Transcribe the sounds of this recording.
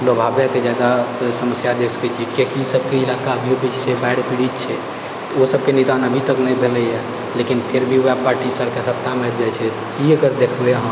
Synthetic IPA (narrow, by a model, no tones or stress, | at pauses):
lobʱabjeked͡ʒjad̪asəməsjad̪ekʰsə̥kɛt͡ʃʰiɛkekisəbkeilakaəbʱiobit͡ʃsebaɪɽpiɽit̪t͡ʃʰɛ | t̪ɔosəb̚kenid̪anəbʱit̪əknɛibʱeləɦɛ | lekinpʰeɾbʱioapaɾʈisəɾkesət̪ːamebɛt͡ʃʰɛt̪ɔiəɡəɾd̪ekʰbeɦə̃